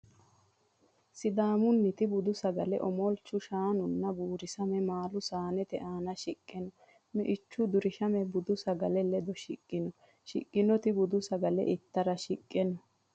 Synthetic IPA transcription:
sɪd̪aːmʊnːɪt̪ɪbʊd̪ʊsɐɡɐlɛ̰ʔɔmɔlt͡ʃːʊʃaːnʊnːɐbuːɾɪsɐmɛmaːlʊsaːnɛt̪ɛʔaːnɐʃɪkʼːɛnɔ | mɛ̰ʔɪt͡ʃːʊd̪ʊɾɪʃɐmɛbʊd̪ʊsɐɡɐlɛlɛd̪ɔʃɪkʼːɪnɔ | ʃɪ̰kʼːɪnɔt̪ɪbʊd̪ʊsɐɡɐlɛ̰ʔɪt̪ːɐɾɐʃɪkʼːɛnɔ

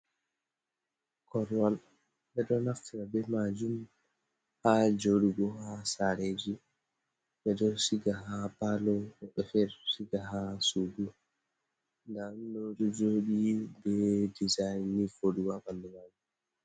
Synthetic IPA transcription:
kʰɔɾwal | ɓɛɗɔnaftiɾabɛmad͡ʒum | had͡ʒoɗuɡɔhasaɾed͡ʒi | ɓɛɗɔsiɡaɦapalɔɔɓɛfɛɾsiɡaɦasuɡu | ndandɔɗɔd͡ʒoɗibɛdizajnːifoɗuwaɓandɛmaɡu

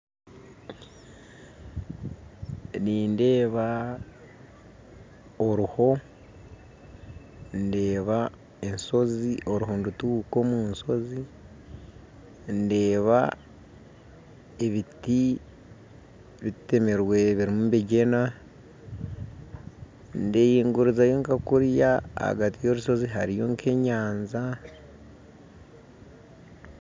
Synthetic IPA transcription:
niːnde̞ːβa | oɾuho̞ | nde̞ːβa | enso̞ziʔo̞ɾuɦondutukomunso̞zi | nde̞ːβa̰ | e̞βiti | βite̞meɾwe̞βiɾimumβeɟe̞na | nde̞ːjiːŋɡuɾizajo̞ŋkakuɾjaa̰ɡatijo̞ɾuso̞ziɦaɾijo̞ŋkʰe̞ɲaːnza

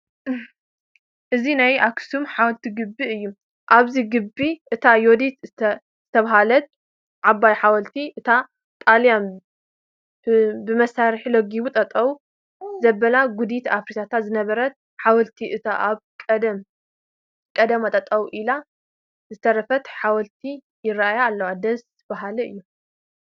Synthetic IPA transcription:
ʔɨzinajaksumħawɔlt̪ʰiɡɨbːiɨjːu | ʔaβziɡɨbːiʔɨt̪ʰajod̪it̪ | z̥ɨt̪ʰɐβaɦalɐt̪̚ | ʕabajħawɐlt̪ʰiʔɨt̪ʰa | t̪ʼaljan | bɨmɐsaɾħiloɡiβut̪ʼɐt̪ʼːɐwu | zɐbɐlaɡud̪it̪afɾit̪ʰat̪ʰat̪zɨnɐβɐɾɐt̪̚ | ħawɐlt̪ʰiʔɨt̪ʰaʔaβkʼɐd̪ɐm | kʼɐd̪ɐmat̪ʼɐt̪ʼɐwuʔila | zɨt̪ʰɐɾɐfɐt̪ħawɐlt̪ʰi | jɪɾaajaːlːɐwad̪ɐs | baɦalɐɨjːu

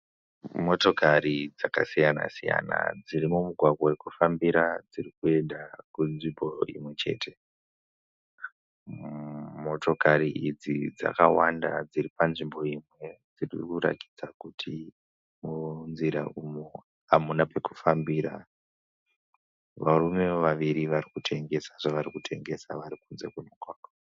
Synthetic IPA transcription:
mo̞to̞karid͡zakasijana̰sija̰na̰d͡zirimumuɡʱwaɡʱwawekufambiɾad͡zirikue̞ndakunʐimbo̞ḭmwe̞t͡ʃe̞̰ːtʰe̞ | mo̞to̞kariid͡zid͡za̰kawanda̰d͡ziɾipanʐimbo̞imwe̞d͡zirḭkuɾa̰ki̥d͡zakutʰi | munziɾa̰ʔumo | amunape̞ku̥fambiɾa | ʋarume̞ʋaʋiɾiʋarikutʰe̞ŋɡe̞saʐaʋaɾikutʰe̞̰ŋɡe̞saʋaɾikunze̞̰kunokwaːko

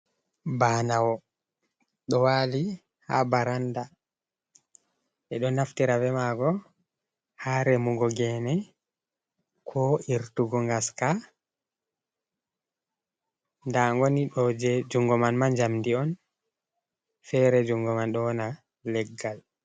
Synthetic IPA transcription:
baːnawɔ | ɗɔwali | habaɾanda | ʔɛɗɔnaftiɾavɛmaɡɔ | haɾɛmuɡɔɡɛnɛ | kʰɔiɾtuɡɔŋɡaska | ndaŋɡɔniɗɔd͡ʒɛd͡ʒuŋɡɔmanmand͡ʒamdiɔn | fɛɾɛd͡ʒuŋɡɔmanɗɔna | lɛɡːal

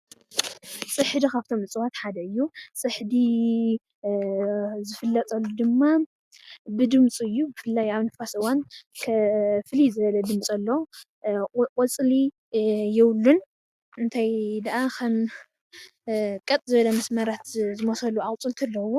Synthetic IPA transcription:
sʼɨħd̪ikʰaβt̪ʰo̞mɨt͡sʼɨwat̪ħad̪ɐɨjːusʼɨħd̪i | zɨfɨlːɐt̪ʼɐlːud̪ɨmːa | bɨd̪ɨmt͡sʼɨjːubɨfɨlːajaβnɨfasɨwankʰɐfɨlizɨβɐlɐd̪ɨmt͡sʼɐlːo | kʼɔt͡sʼli | jɛwlːun | ʔɨnt̪ʰajd̪ɐʔakʰɐm | kʼɐt̪ʼzɨβɐlɐmɐsmɐɾat̪zɨmosɐlːuʕakʼt͡sʼɨlt̪ʰɨlːɐwːo

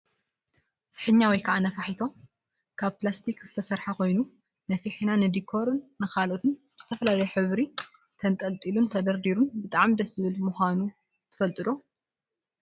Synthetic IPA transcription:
fɨ̥ħɨɲːawɔjkʰaʕanɐfaħit̪ʰo̞ | kʰaβplast̪ʰikzɨt̪ʰɐsɐɾħako̞jnu | nɐfiħinanɨd̪ikʰːo̞ɾɨnːɨxalʔo̞t̪ʰɨnbɨz̥ɨt̪ʰɐfɐlalɐjɛħɨβɾi | t̪ʰɐnt̪ʼɐlt̪ʼilunt̪ʰɐd̪ɐɾd̪iɾunbɨt̪ʼaʕmd̪ɐsɨβɨlmuxʷanu | t̪ʰɨ̥fɐlt̪ʼɨd̪o̞

